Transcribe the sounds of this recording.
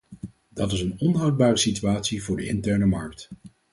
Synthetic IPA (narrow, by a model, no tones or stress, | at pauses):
d̥ɑtɪsənɔnɦʌwd̚baːrəsityaːtsivʊːɹdəɪntɛɹnəmɑɹk̚t